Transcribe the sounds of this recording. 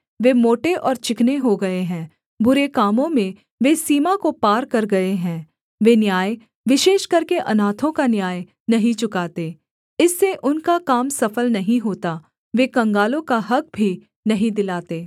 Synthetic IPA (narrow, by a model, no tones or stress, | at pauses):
ʋeːmoːʈeʔɔːɾt͡ʃɪkneɦoɡɐeɦɛ̃ː | bʊɾekaːmõmẽ | ʋesiːmakopaːɾkɐɾɡɐeɦɛ̃ː | ʋeːnjaːj | ʋɪʃeːʃkɐɾkeʔɐnaːt̪ʰõkanjaːj | nɐɦĩt͡ʃʊkaːt̪eː | ɪsːeʔʊnkakaːmsɐfəlnɐɦĩɦoːt̪a | ʋeːkɐ̃ŋɡaːlõkaɦɐk̚bʱi | nɐɦĩd̪ɪlaːt̪eː